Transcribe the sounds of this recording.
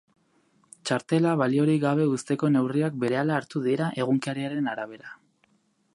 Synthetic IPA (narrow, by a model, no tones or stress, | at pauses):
t͡ʃaɾt̪e̞laβalio̞ɾiɣaβ̞e̞ust̪e̞ko̞ne̞wriak̚be̞ɾe̞alaːɾt̪uðiɾaʔe̞ɣ̞uŋkaɾiaɾe̞naɾaβ̞e̞ɾa